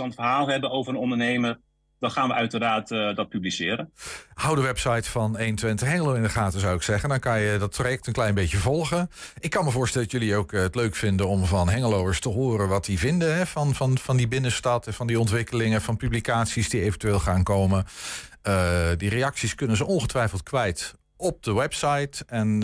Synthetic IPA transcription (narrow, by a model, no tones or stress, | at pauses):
ɑnəfərɦaːlˠɦɛbənowvəɾənɔndənejməɹ | d̥ɑnχaːnʋəʔœɥtərdaːtdɑt̚pyblisɪːɾənhawdəʋɛpsɑjtfɑnejnəntʋɪntəχɦɛŋəlowɪndəχaːtəzawɪksɛχəndɑnkɑnjədɑt̚projɛk̚tənklɛjnbejcəvɔlˠχənɪkːɑnməvʊːɹstɛlˠdɑtjɵliowkətløɥkfɪndənɔmvɑnɦɛŋəlowəɹstəɦoːɾənʋɑt̚divɪndəɦɛv̥ɑnvɑnvɑndibɪnəstɑtɛvɑndiɔntʋɪkəlɪŋəv̥ɑnpyblikaːtsisdiejvəntyeːlˠχaːnkowmən | ədiɾejɑksiskɵnənzəʔɔnχətʋɛjfəlˠt̚kʋɛjt | ɔp̚dəwɛpsɑjtɛn